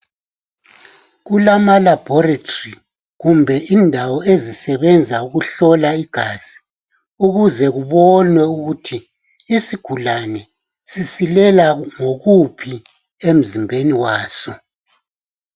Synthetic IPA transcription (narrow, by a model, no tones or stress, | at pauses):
ɣulamalab̥ʱɔratʰori | ɣumbʱɛʔindʱawɔezisɛβɛnd͡zʱauɣuɬɔlaiɡ̥ʱaːz̥i̥ | uɣuzɛɣuβɔnwɛuɣutʰiː | siɡ̥ʱulanɛ | sisilɛlaŋoɣupʰi | em̩zimbʱeniwaːsɔ